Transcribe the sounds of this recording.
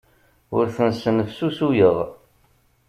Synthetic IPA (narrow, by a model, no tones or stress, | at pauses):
ʊɾθənsənəfsusujəʁ